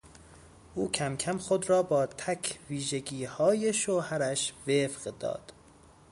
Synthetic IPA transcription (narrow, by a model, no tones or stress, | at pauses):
ʔuːcʰæmcʰæmxod̪ɾɒːbɒːt̪ʰæcʰviːʒeɡiːhɒːje̞ʃohæɾæʃvefɢd̪ɒ̰ːd̪̥